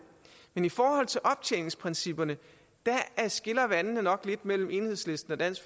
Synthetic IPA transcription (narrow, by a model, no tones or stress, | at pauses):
menifɒːhɒ̽l̰t͡sʰe̝lʔɒ̽b̥̚t͡sʰḛne̝ŋspʰʁɛnsib̥ɐnə | d̥ææsɡ̥e̝lɐʋænnənɒ̽ɡ̥le̝d̥mel̰m̩e̝ːnhe̝ð̰ˠsle̝sd̥n̩ɒd̥æn̰sɡ̥f